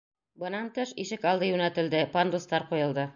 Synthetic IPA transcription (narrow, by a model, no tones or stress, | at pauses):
bɤ̆nɑnt̪ɤʃiʃɘkɑlˠd̪ɤjʉnæt̪ɘ̆ld̪ɘpand̪ust̪ɑɾqujɤ̆lˠd̪ɤ